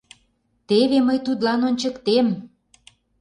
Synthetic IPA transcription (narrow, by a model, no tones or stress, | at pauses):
t̪eβeməjt̪ut̪lɑnonʲt͡ɕə̆kt̪em